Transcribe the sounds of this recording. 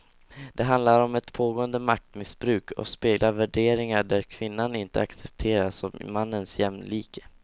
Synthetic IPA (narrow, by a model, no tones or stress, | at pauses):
d̪ɛɦand̪laɾɔmɛt̪pʰoːɡoːənd̪əmak̚t̪mɪsbɾʉ̟ːkʰɔ̰speːɡlaɾvæɖeːɾɪŋaɖæɾkʰvɪnːanɪnt̪əaksɛp̚t̪ʰeːɾasɔmːanːənsjɛmnliːkʰə̥